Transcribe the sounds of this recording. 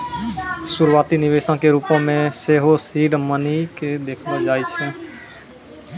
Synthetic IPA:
sʊɾwaːt̪inɪʋeːʃãkeɾuːpõmẽseːɦosiːɖməniked̪eːkʰad͡ʒaːit͡ʃʰɛ̃

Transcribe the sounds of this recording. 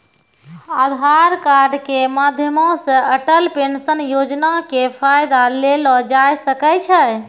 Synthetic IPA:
ad̪ʱaɾkaɾɖkemad̪ʱjəmɔ̃sə̃əʈəlpensənjod͡ʒnakepʰajd̪alelɔd͡ʒajsəkɛt͡ʃʰə

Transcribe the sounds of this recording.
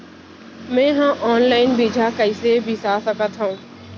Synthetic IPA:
mɛ̃ːɦãːʔɔːnlaːɪnbiːd͡ʒʱaːkəiseːbʱiːsaːsəkət̪ɦoũː

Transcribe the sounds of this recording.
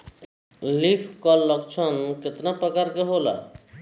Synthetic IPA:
lipʰkʌlʌkt͡ʃʰʌnket̪napɾəkaɾkeɦola̰

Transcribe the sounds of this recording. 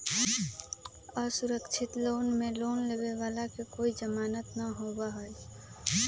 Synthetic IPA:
əsuɾəkt͡ʃʰit̪loːnmẽloːnlebeʋaːlakekoːid͡ʒəmaːnət̪nəɦobaɦoj

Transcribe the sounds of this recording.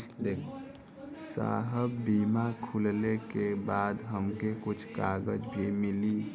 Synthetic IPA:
d̪eːkʰ | sa̰ːɦəbːiːmakʰʊllekebaːd̪ɦəmkekʊt͡ʃʰkaːɡəd͡ʒbʱimɪli

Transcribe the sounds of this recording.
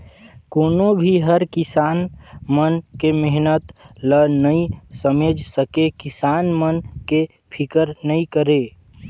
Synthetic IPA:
koːnobʱiɦəɾkɪsaːnmənkemeɦnət̪lənəĩsəmed͡ʒʱsəkekɪsaːnmənke | pʰɪkəɾnəĩkəɾeː

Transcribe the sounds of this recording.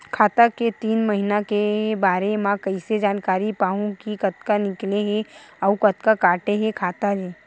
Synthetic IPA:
kʰaːt̪aket̪iːnməɦinakebaːɾemãkɐised͡ʒaːnkaːɾipaːɦũkikɐt̪̚kanɪkleɦeɔːkɐt̪kakaːʈeɦɛkʰaːt̪ad͡ʒeː

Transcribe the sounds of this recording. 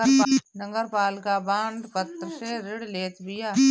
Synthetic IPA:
nəŋɡəɾpaːlkabãːɳɖpət̪ɾəseɾɪɽleːt̪bɪjaː

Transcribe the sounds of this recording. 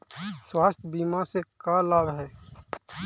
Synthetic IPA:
swaːst̪ʰbiːmasekalaːbɦɛː

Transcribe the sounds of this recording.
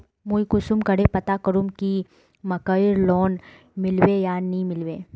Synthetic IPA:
mujkʊsʊmkəɽepɐt̪akəɾumki | mɐkəɪɾlɔːn | mɪlwejanɐɦĩmɪlweː

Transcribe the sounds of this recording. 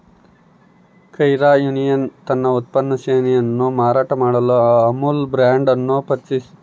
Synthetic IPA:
kɐjɾaːjunijɐnt̪ɐnːɐut̪̚pɐnːɐseːnijɐnːumaːɾaːʈɐmaːɽɐluɐmulbɾaːɳɖɐnːupɐt͡ʃis

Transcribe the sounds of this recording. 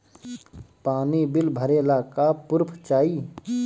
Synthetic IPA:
paːnibɪlbʱəɾeːlakapʊɾpʰt͡ʃaːi

